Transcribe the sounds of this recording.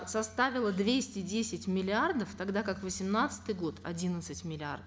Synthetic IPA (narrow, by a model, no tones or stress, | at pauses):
sɐst̪avʲɪlˠəd̪vʲesʲtʲɪdʲesʲɪtʲmʲɪlʲɪard̪əft̪ɐɡd̪akakvəsʲɪmnat̪sɨ̥t̪ɨjɡo̞t̪ɐ̰dʲinət̪sɨtʲmʲɪlʲɪa̰rd̪əf